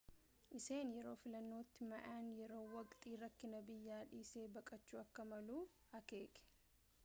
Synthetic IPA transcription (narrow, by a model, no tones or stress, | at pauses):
ʔɪse̞ːnjɛɾo̞ːfɪlɐnːo̞ːt̪ːɪmɐʔaːnjɛɾo̞ːwɐkʼt̪ʼiːɾɐkːɪnɐbɪjːaːᶑiːse̞ːbɐkʼɐt͡ʃːuːɐkːɐmɐluːf | ɐke̞ːkʼɛ̥